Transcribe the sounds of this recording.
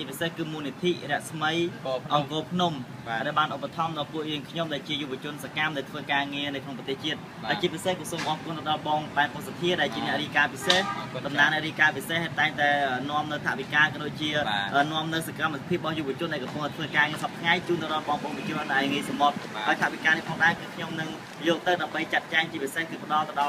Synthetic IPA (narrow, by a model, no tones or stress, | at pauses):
t͡ɕiəpisehkɨːmuːnit̪ʰiʔrɛ̆əʔsməjʔɑŋkoːpʰnum | ɗaɛlɓaːnʔop̚ːat̪ʰɑmɗɑːlpuəʔjɨəŋkʰɲomɗaɛlt͡ɕiəjuʋɨət͡ɕʊ̆ənsakamɗaɛlt̪ʰʋəːkaːŋiənɨwkʰnoŋprɑt̪eːht͡ɕiət̪̚haət͡ɕiəpisehkɔsoːmʔɑːhkuənt̪ɑɗɑlɓɑːŋɓaɛnpotsat̪ʰiəɗaɛlt͡ɕiənɛ̆əʔriːhkaːpisehɗɑmnaːŋnɛ̆ʔriːkaːpiseht̪aɛŋt̪aɛəːnŏəmnɨwt̪ʰa̰ʔʋikaːkɑɗoːc̚t͡ɕiəʔəːnŏəmnɨwsakamːpʰiəp̚ɓɑhjuːʔʋɨ̆ət͡ɕʊənɗaɛkɑpʊŋʔaɔjt̪ʰʋəːkaːŋiəsɑp̚t̪ʰŋajt͡ɕuːnt̪ɨwɾŏəlɓɑːŋɓoŋpət͡ɕiəɾənɗaŋiəjsamot̪̚haəjt̪ʰaʔʋikaːnihpʰɑːŋɗaɛkɨːkʰɲomnɨŋ | jɔːk̚t̪ɨwɗaəmɓəjt͡ɕat̪̚t͡ɕaɛŋt͡ɕiəpisehkɨːpə̆ɗɑlt̪ɨ̆wɗɑl